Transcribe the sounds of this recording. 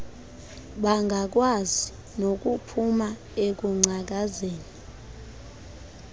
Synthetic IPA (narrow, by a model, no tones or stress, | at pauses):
ɓaŋɡʱak̬wazi | nok̬ʼupʰuma | ek̬uŋ͡ǀʱak̬azeːni